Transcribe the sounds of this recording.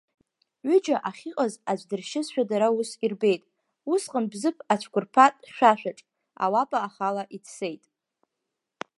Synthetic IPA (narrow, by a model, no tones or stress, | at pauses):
ʕʏd͡ʒaʔaχʲiqʼazad͡ʒʷdɨrʃɪzʃᶣadaɾausirbe̞jtʼ | usqʼənbzɨpʰat͡ʃʷʰkʷʰʊrpʰatʼʃᶣaʃᶣaʈ͡ʂʼ | a̰wapʼaːχalaʔitʰse̞jtʼ